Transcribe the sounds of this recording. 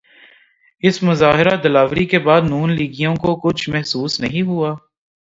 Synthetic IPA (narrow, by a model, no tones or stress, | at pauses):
ɪsmʊzaːɦɪɾad̪ɐlaːʋɾikebaːd̪nuːnliːɡijõkokʊt͡ʃʰmɛɦsuːsnɐɦĩɦuaː